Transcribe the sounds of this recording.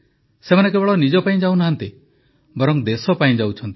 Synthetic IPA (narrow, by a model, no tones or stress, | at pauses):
semanek̬ebɔɭɔnid͡ʒɔpaĩd͡ʒawnaɦant̪i | bɔɾɔŋd̪esɔpaĩd͡ʒawt͡ʃʰɔnt̪i̥